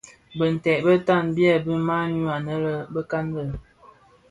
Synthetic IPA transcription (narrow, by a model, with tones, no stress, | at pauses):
bə˨n̩˨tɛ˨bə˦ta˦˨nbjɛ˦bə˦ma˦ɲu˦a˨nə˦lə˦bə˦ka˦nlə˨